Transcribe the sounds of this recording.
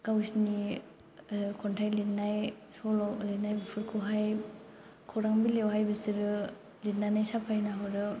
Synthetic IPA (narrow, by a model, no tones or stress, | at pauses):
kawsni | kʰɔntʰajlitnajsɔlɔlenajbpʰuɾkʰoɦaj | kʰɔwɾaŋbilewɦajbɯsiɾɯ | litnanajsapʰajnaɦɔɾɯ